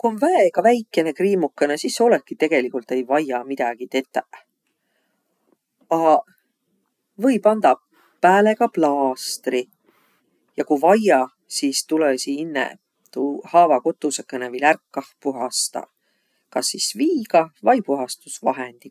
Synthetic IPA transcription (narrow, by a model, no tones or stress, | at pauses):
kuonvæeɡ̥ɑvæjkːˑe̞ne̞kriːmukːenesisːeo̞lekːit̪e̞ɡ̥e̞likult̪e̞jvɑjɑmid̪̥ɑɡ̥it̪e̞t̪ːˑe | ɑ | vɤ̞jpɑnd̪̥ɑ | pæːle̞ɡ̥ɑplɑːst̪ri | jɑkuvɑjɑ | sist̪ulesiinːḛ | t̪uhɑːvɑko̞t̪ːˑusekːˑenevɤjlærkːɑhpuɦɑst̪ɑ̰ | kɑsːisviːɡ̥ɑvɑjpuɦɑst̪usvɑ̰ɦend̪̥i